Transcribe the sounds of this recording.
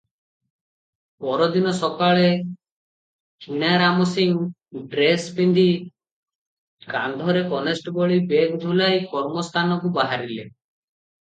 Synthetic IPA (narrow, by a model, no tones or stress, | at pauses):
pɔɾɔd̪inɔsɔkaɭe | kʰinaɾamɔsiŋ | ɖɾespind̪i | kand̪ʱɔɾekɔnesʈbɔɭibekd̪ʱulajkɔɾmɔst̪ʰanɔkubaɦaɾile